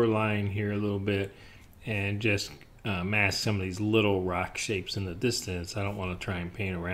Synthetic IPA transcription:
ə˞laɪɪ̃ŋɦiɹɨlɪɾl̩ˠbɪɾ | ɨ̃nd͡ʒʌs | ʌmæsʌ̃mʌvðizlɪɾl̩ˠɹɑkʃeɪpsɨ̃nðɨdɪstɨ̃nsaɪɾõʊ̃nʔwɑ̃nətʰɹ̥aɪɨ̃npʰẽɪ̃ɾ̃ə˞ã

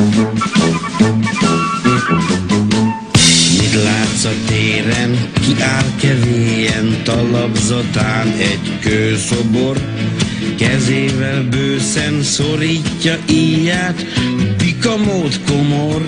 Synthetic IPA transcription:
mit̪laːt̪sɒt̪eːɾɛŋkiʔaːrkɛveːjɛnt̪ɒlɒbzɒt̪aːnɛɟkøːso̞bo̞r | kɛzeːvɛlbøːsɛmsoɾiːcːɒʔijaːt̪bikɒmoːt̪ko̞mor

